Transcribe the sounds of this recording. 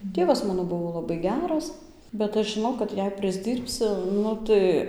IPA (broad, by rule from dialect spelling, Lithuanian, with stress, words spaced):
ˈtʲeːʋɐs ˈmɑːnoː ˈbʊʋoː lˠɐˈbɐɪ ˈɡʲæːrɐs bʲɛt ˈɐʃ ʒʲɪˈnɐʊ kɐt ˈjɛɪ pʲrʲɪzʲˈdʲiːrʲpʲsʲʊ ˈnʊ tɐɪ